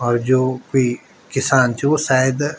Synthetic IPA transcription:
ɔːɾd͡ʒoːkoiː | kɪsaːnt͡ʃosaːjɪd̪

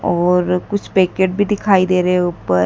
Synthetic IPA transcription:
ɔːɾkʊt͡ʃʰpɛːkeːʈ̚bʱid̪ɪkʰaːid̪eːɾeɦeupəɾ

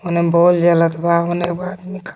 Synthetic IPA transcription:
onebold͡ʒalət̪ʰbaonebad̪mikʰ

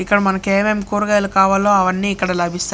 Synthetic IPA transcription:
ikːɐɽɐmɐnɐkeːmemkuːɾɡɐːjlukaːʋaːlːoːɐʋɐnːiːkːɐɽɐlɐbʱist̪a

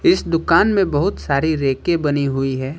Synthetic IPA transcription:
ɪsd̪ʊkaːnmẽbɐɦʊt̪saːɾiɾeːkẽbɐniɦʊiɦɛː

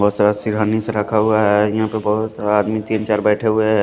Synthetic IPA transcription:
bɔɦːt̪saɾasiɾaniseɾəkʰaɦʊaɦɛjɐɦãpebɔɦʊt̪saːd̪mit̪iːnt͡ʃaːɾbɛːʈʰeɦʊe

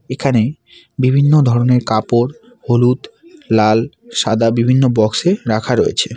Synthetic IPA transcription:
ekʰane | bibʱinːod̪ʱɔɾoneɾkapoɾ | holut̪lalʃad̪abibʱinːobɔkseɾakʰaɾojḛt͡ɕʰe

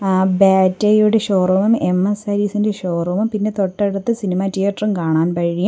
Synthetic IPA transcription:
baːtːɐjuɽeɕoːrumɐmemːesɐɾiːsinde̞ɕoːrumɐmpinːe̞t̪o̞ʈːeɽut̪ːɨsinimatijɐʈrumkaːɳaːnpɐɻijɐm

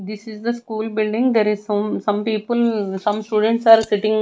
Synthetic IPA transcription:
d̪ɪsɪzd̪əskuːlbɪlɖɪ̃ŋd̪eːɾɪzsɐ̃msɐ̃mpiːpəlsɐ̃msʈuːɖə̃ɳʈsaːɾsɪʈɪ̃ŋ

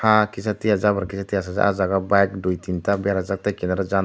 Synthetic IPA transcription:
hakis̬at̪iad͡ʒabaɾkisat̪ias̬ad͡ʒa̰ʔazaɡabakdoit̪int̪abaɾazak̚t̪akinaɾad͡ʒa

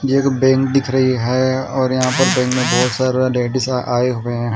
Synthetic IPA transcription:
d͡ʒeːkbɛ̃ːŋk̚d̪ɪkʰɾəɦiɦɛːɔːɾjɐɦãpəɾbɛ̃ːŋkmẽbɔːt̪saːɾleːʈɪsʔaːeɦoːeɦɛ̃

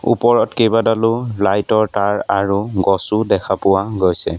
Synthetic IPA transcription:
ṵpɔɹɔtkejbadalʊlajtɔɹtaɹaɹuɡɔsudɛkʰapʊwaɡojsɛ

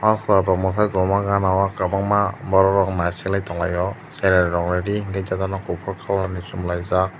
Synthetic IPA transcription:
asabɔmɔsʰajzɔmaɡanawakabaŋmabɔɾɔɾɔŋnasilajtɔŋlajɔseɾanɾɔŋneɾiiŋɡazatanɔkupʰɔɾkʰalanisumlajza

